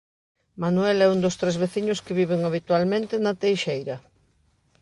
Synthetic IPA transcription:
manuɛlɛund̪ost̪ɾezβeθiɲʊskɪβiβeŋaβit̪walmẽnt̪ɪnɐt̪ejʃejɾɐ

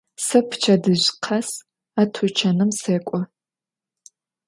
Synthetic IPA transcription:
sɐpʰt͡ʃʰɐdɨʑqʰɐs | aːtʰut͡ʃʰɐnɨmseːkʷʼɔ

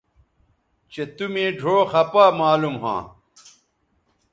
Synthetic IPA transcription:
t͡ɕet̪umẽːɖʱoːxɐpaːmaːlumɦã̰ː

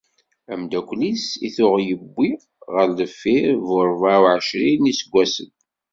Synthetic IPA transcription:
æmd̪ækʷlisḭθʊʁjəbːi | ʁəɾləfːiɾvʊɾˤvawʕəʃɾinisəɡʷːæsə̰n

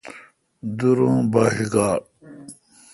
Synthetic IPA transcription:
d̪uɾũːbaːɦiɡaː

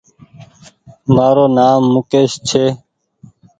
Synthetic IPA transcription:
maːɾoːnaːmːʊkeːʃt͡ʃʰeː

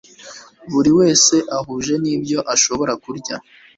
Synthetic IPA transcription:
βuɾiwe̞ːse̞ʔaɦuːʒe̞niːbɟo̞ʔaʃo̞βo̞ɾakuɾɟa

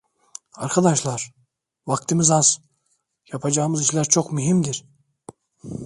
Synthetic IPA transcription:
ɑɾqʰɑd̪ɑʃlˠɑɾ | vɑqt̪imizɑz̥ | jɑpʰɑd͡ʒɑɣɯmɯziʃlʲæɾt͡ʃʰo̞qmyɦimd̪iɾ

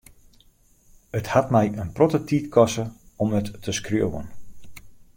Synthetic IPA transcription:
əthatmɛjənprotətʰiːtkʰɔsə | ɔmətːəskrjowə̰n

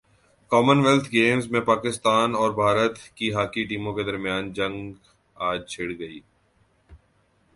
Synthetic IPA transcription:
kɔːmənʋɛlt̪ʰɡeːmzmẽpaːkɪst̪aːnɔːɾbʱaːɾət̪kiɦaːkiʈiːmõked̪ɐɾmijaːnd͡ʒɐ̃ŋɡ | aːd͡ʒt͡ʃʰɪɽɡɐiː

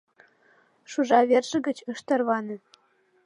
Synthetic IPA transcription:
ʃuʐɑʋʲerʒɘ̆ɡʲɘ̆t͡ɕɤʃt̪ɤ̆rʋɑnɤ̆

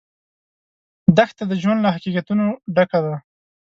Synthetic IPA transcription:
d̪axt̪ad̪əʒwand̪lahaqiqat̪unoɖakad̪a

